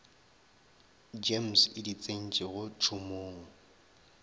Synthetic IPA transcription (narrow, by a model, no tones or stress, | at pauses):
d͡ʒem̩sɪdit͡sʼen̩t͡ʃʼeɣʊt͡ʃʰumoːŋ̩